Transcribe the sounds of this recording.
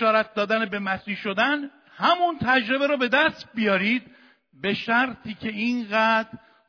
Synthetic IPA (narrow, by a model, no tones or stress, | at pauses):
ɒːɾæt̪̚d̪ɒːd̪ænebe̞mæsiːhʃo̞d̪æn | hæmunt̪ʰæd͡ʒɾe̞beɾɔbe̞d̪æst̪̚bijɒːɾiːd̪̚ | be̞ʃæɾt̪ʰiːcʰe̞inɢæd̪̥ɾ